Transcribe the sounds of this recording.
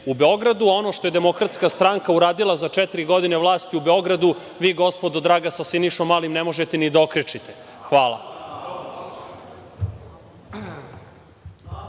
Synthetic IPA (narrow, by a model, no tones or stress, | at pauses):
ubeo̞ɡɾad̪uo̞no̞ʃt̪o̞jed̪emo̞kɾat̪skast̪ɾaŋkauɾaːd̪ilˠazat͡ʃɛt̪iɾiɡo̞d̪ineʋlˠaːst̪iubeo̞ɡɾad̪u | ʋiːɡo̞spo̞d̪od̪ɾaːɡasasiniʃomːaːlimnemo̞ʒet̪enid̪aokɾet͡ʃit̪exʋaːlˠa̰